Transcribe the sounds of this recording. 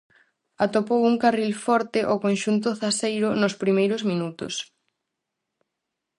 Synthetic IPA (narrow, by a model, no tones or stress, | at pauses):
at̪opowuŋkarilfɔɾt̪ɪʔokonʃunt̪ʊθasejɾʊnʊspɾimejɾʊzmĩnut̪ʊ̰s